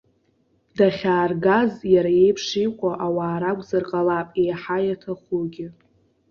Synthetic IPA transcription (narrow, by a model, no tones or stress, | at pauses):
daχʲaːrɡazjaɾaje̞jpʰʂijqʷʼaʔawaːɾaɡʷʼzarqʼalapʼejħajatʰaχuɡʲɪ